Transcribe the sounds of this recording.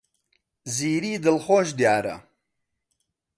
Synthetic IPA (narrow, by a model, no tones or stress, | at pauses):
ziːɾiːd̪ɨlχoːʃ̬d̪jaːɾɐ̰